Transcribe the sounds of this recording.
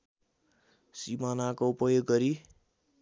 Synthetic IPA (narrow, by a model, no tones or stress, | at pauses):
simanakoupʌjoɡːʌɾi